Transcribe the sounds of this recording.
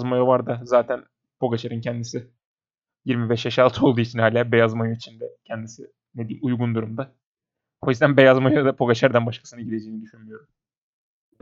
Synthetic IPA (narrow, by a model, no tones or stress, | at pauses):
zmajovaɾd̪azaːt̪ʰæn | pʰo̞ɡat͡ʃʰaɾɯncʰɛnd̪isi | jiɾmibɛʃjaʃalˠt̪ʰɯo̞lˠd̪uːit͡ʃʰinhaːlʲaːbe̞jazmajoit͡ʃʰind̪ɛcʰɛnd̪isi | ned̪iːujɡund̪uɾumd̪a | hojizd̪ænbe̞jazmajod̪apʰo̞ɡat͡ʃʰaɾd̪anbaʃkʰḁsɯnɯɟid̪e̞d͡ʒe̞jinid̪yʃynmyjo̞ɾum